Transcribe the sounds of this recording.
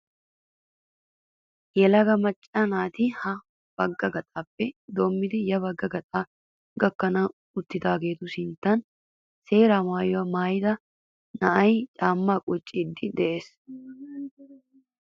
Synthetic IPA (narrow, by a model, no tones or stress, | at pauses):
jɛlɐɡɐmɐt͡ʃʼːɐnaːt̪ɪhɐ | b̥ɐɡːɐɡɐt̪ʼaːpːɛd̪oːmːɪd̪ɪjɐbɐɡːɐɡɐt̪ʼaː | ɡɐkːɐnɐ | ʊt̪ːɪt̪aːɡe̞ːt̪ʊsɪnt̪ɐn | se̞ːɾaːmaːjɔɐmaːjd̪ɐ | nɐʔɐjt͡ʃʼaːmːaːkʼʊt͡ʃʼːɪd̪ːɪd̪ɛʔe̞ːs